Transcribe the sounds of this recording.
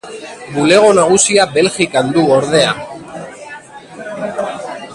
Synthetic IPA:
bule̞ɣ̞o̞naɣ̞usiabe̞lʝikand̪uoɾðe̞a

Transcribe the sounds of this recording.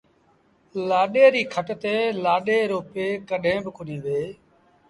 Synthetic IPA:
laːɗeːɾiːkʰəʈt̪eːlaːɗeːɾoːpeːkəɗʱẽːbɪkʰʊnĩːʋeː

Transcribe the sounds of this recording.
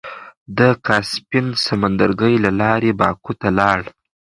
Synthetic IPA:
d̪əkʰɑspɪnsamand̪əɾɡəjlalɑɾebɑkut̪alɑɽ

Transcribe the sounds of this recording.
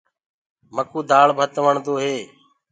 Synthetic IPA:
məkuːd̪aːɭbʱət̪ʋəɳd̪oːɦeː

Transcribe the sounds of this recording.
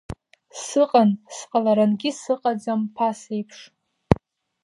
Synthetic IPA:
sɨqʼansqʼalaɾanɡʲɪsɨqʼad͡zampʰasejpʰʂ

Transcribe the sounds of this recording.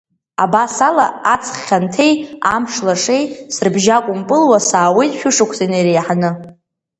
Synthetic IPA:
a̰basala̰at͡sʰʼχʲantʰe̞jamʂlaʂe̞jsɨrbʒakʷʼʊmpʼɨlwasaːwijtʼʃʷᶣʊʂakʷʰseneɾejħanɨ

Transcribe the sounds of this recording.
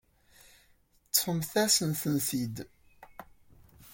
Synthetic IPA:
t͡sːħəmθæsənθənθid̪

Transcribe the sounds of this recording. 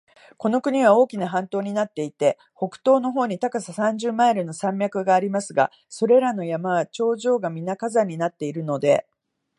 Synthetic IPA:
ko̞no̞kɯ̟ɲ̟iβ̞ao̞ːkʲinaɦãnt̪o̞ːɲ̟inat̪ːe̞it̪e̞ | ho̞kɯ̟̥t̪o̞ːno̞ɦo̞ːɲ̟it̪akasasãɲ̟d͡ʑɨːmaeɾɯ̟no̞sãmʲjakɯ̟ɡaːɾʲimasɨɡa̰ | so̞ɾe̞ɾano̞jamaβat͡ɕo̞ːʑo̞ːɡamʲinakazaɲ̟ːinat̪ːe̞iɾɯ̟no̞d̪e̞

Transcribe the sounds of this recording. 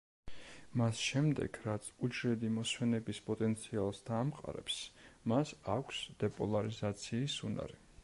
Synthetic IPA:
masʃɛmd̪ɛ̰ɡ̥ɾat̪sʰud͡ʒɾɛd̪imɔswɛnɛbispʼɔt̪ʼɛnt̪sʰialˠsd̪̥aːmqʼa̰ɾɛ̰psmasakʷʰsd̪̥ɛpʼɔlˠaɾizat̪sʰiːsuna̰ɾi

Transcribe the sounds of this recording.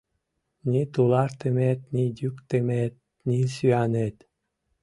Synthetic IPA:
nʲit̪ulɑɾt̪emet̪̚nʲid̪ʲykt̪emet̪̚ | nʲisyænet̪

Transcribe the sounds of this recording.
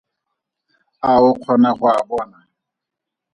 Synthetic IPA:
aʊq͡χʰɔnaχʊabɔːna

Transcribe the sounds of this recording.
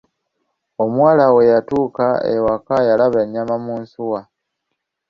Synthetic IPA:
o̞mwaːlawe̞jatuːkaewakajalaβaɲːamamuːnsuwa

